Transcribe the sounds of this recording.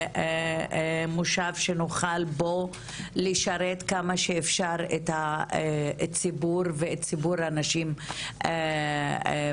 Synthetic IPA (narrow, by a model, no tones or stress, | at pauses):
muʃavʃenoχalbo̞ | liʃaɾet̪kamaʃeefʃaʁet̪ha | t͡sibuʁveett͡sibuɾanaʃime